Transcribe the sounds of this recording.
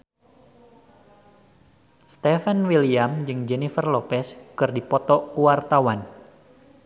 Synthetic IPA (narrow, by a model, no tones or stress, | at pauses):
st̪ɛfɛnwiliamd͡ʒɨŋd͡ʒɛnifərlopɛskɨrdipɔt̪ɔkuwart̪awan